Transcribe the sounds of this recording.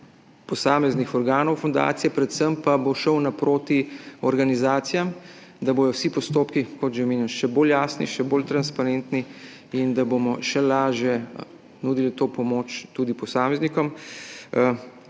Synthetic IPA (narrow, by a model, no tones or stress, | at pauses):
pɔsaːmɛznixɔɾɡaːnɔwfɔnd̪a̰ːt̪sijɛpɾɛt̪səmpaboʃəwnapɾoːt̪iɔɾɡanizaːt̪sijam | d̪aboːjɔwsipɔst̪oːpkikɔt̪ʒɛmeːnjɛnʃɛboljaːsnḭʃɛboːlt̪ɾanspaɾent̪ni | ind̪abomɔʃɛlaːʒjɛ | nud̪ilit̪oːpɔmot͡ʃt̪uːd̪ipɔsaːmɛznikɔm